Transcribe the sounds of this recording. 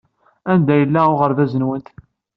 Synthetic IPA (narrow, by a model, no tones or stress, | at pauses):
ænd̪æjəlːæʊʁəɾðæzənwənt̪